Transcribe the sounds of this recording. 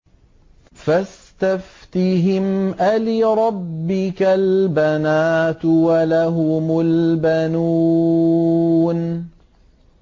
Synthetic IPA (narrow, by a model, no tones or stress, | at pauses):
fast̪aft̪ɪɦɪmʔalɪɾˤɑbːɪkalbanaːt̪walaɦʊmʊlbanuː | n